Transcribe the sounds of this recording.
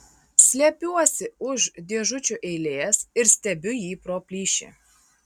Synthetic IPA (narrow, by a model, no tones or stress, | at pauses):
sʲlʲɛpʲuɔsʲɪʊʒd̪ʲeɛʒʊt͡ʃʲuʔɛɪlʲeːɛsɪɾsʲt̪ʲɛbʲʊjiːpɾoːpʲlʲiːʃʲḭ